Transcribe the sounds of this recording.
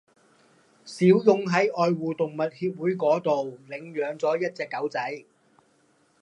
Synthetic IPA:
siː˨˥wjʊ˧ŋɦɐ˨˥jʔɔː˨˧jwuː˨˩t̪ʊ˨ŋmɐ˨t̚hiː˧p̚wuː˨˥jkɔː˨˥t̪o˨wlɪ˨˧ŋjœː˨˧ŋt͡sɔː˨˥jɐ˥t̚t͡sɛː˧kːɐ˨˥wt͡sɐ˨˥j

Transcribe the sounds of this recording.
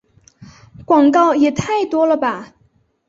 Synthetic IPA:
kwɑ˨˩ŋkɑ˥˩ʊjɛ˨˩t̪ʰa˥˩ɪt̪wɔ˥lə˨ba˨˩

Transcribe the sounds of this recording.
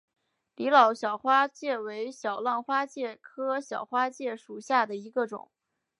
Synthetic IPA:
li˧˥lɑ˨˩ʊɕjɑ˨˩ʊxwa˥t͡ɕjɛ˥˩we˧˥ɪɕjɑ˨˩ʊlɑ˥˩nxwa˥t͡ɕjɛ˥˩kʰɤ˥ɕjɑ˨˩ʊxwa˥t͡ɕjɛ˥˩ʂu˨˩ɕja˥˩d̪ə˩i˧˥ɡə˧ʈ͡ʂʊ̰˨˩˦ŋ

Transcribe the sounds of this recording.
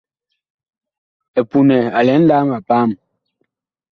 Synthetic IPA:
ɛ˨pu˨nɛ˨a˨lɛ˨˦n̩˦daː˦ma˨paː˦˨m

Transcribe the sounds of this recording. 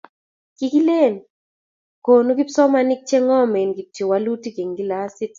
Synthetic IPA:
ki˨˦ki˦le˦˨n | ko˨nu˦ɡi˦sɔ˦ma˦ni˦k̚t͡ʃe˦ŋɔ˦me˨nɡi˨tjo˨wa˦lu˦ti˦ɡe˨ŋɡi˦la˦si˦t

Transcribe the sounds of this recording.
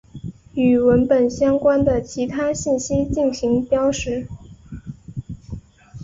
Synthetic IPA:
y˨˩wə˧˥npə˨˩nɕjɑ˥ŋkwa˥nd̪ə˨t͡ɕʰi˧˥t̪ʰa˥ɕi˥˩nɕi˥t͡ɕi˥˩nɕi˧˥ŋpjɑ˥ʊʂɻ̩˧˥

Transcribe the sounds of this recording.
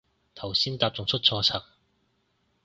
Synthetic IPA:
t̪ʰɐ˨˩wsiː˥nt̪aː˧p̚t͡sʊ˨ŋt͡sʰɵ˥t̚t͡sʰɔː˧t͡sʰɐ˨˩ŋ

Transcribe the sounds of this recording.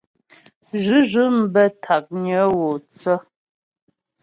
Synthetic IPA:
ʒʉ˨˦ʒʉ˨˦m̩˦bɛ˦tʰa˨k̚ɲə˨˦wo˨t͡sə˦

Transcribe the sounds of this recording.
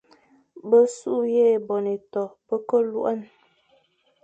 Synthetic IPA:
bə˦su˦ʔje˦˨bɔ˨ne˨tɔ˨pə˦kə˦lu˦ʔa˦n

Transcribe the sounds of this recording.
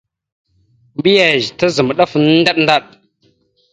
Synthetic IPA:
bi˦ja˨ʒta˦zə˨m˨ɗa˦fn˦n˦da˦ɗnda˦ɗ

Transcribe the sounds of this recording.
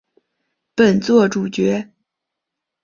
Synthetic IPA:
pə˨˩nt͡swɔ˥˧ʈ͡ʂu˨˩t͡ɕɥɛ˧˥

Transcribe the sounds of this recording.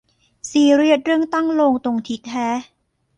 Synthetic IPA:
siː˨˩ɾi˥˩ət̪̚ɾɯ˥˩əŋt̪a˥˩ŋloː˧ŋt̪o˧ŋt̪ʰi˦˥t̪̚ʰːɛː˦˥

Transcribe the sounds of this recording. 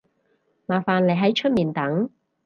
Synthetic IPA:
maː˨˩faː˨nle˨˩jɦɐ˨˥jt͡ʃʰɵ˥t̚miː˨nt̪ɐ˨˥ŋ

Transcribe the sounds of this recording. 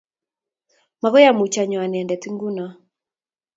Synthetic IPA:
ma˨ɣɔ˦ja˦mu˨t͡ʃa˨ɲɔ˨a˨n˨ɛ˨ndɛ˨ti˦ŋɡu˦na˦

